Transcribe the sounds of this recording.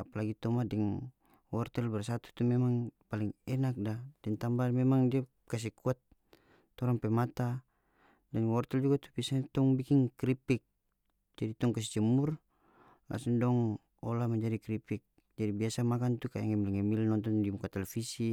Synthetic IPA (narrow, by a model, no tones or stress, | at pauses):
apalaɡit̪ɔmadɛŋ | wɔrt̪ɛlbɛrsat̪u̥t̪umɛmaŋpaliŋɛnak̚dadɛnt̪ambamɛmaŋdia | kas̬ɛkuat̪ː | ɔɾaŋpɛmat̪a | dɛnwɔrt̪ɛld͡ʒuɡat̪ubiasaɲat̪ɔŋbikiŋkɾipik̚ | d͡ʒadit̪ɔŋkas̬ɛt͡ʃɛmur | la̰suŋdɔŋ | ɔlamaɲd͡ʒadikɾipik̚ | d͡ʒadibiasamakant̪uka̰jaŋɛmiliŋɛmilnɔnt̪ɔndimukat̪ɛlɛfisi